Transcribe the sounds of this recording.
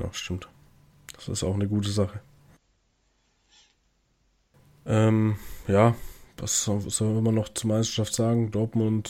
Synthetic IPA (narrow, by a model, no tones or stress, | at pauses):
na̰ʊʃtɪmt | d̥ḁsɪ̰staʊxnəɡuːtəzaχə | ʔɛːmjaːvasɔz̥ɔmanːɔχt͡suɐmaɪstɐ̥ʃaftz̥aːɡŋ̩dɔɐtmʊnt